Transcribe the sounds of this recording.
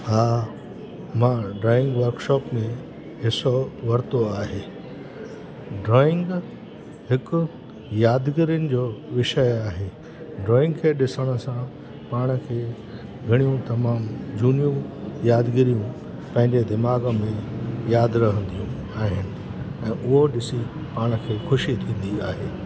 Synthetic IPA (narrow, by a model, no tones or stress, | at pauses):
haː | mãɖɾɔːɪ̃ŋɡʋɐɾkʃɔːpmẽ | ɦɪsoʋɐɾt̪oaːɦeː | ɖɾɔːɪ̃ŋɡ | hɪkʊ | jaːd̪ɡɪɾijənɪ̆d͡ʑoːʋɪʃəjaːɦe | ɖɾɔːɪ̃ŋɡkʰeːɗɪsəɽ̃ʊ̆sã | paːɽ̃kʰeː | ɡʱɐɽ̃ijũt̪ɐmaːmd͡ʑuːnijũjaːd̪ɡɪɾijũ | pɐ̃ɦɪ̃ɲd͡ʑed̪ɪmaːɡmẽjaːd̪ɾɐɦə̃nd̪ijũ | aːɦɪnɪ̆ɛ̃ːʔʊɦoɗɪsi | paːɽ̃kʰeːxʊʃit̪ʰĩːn̆d̪iaːɦeː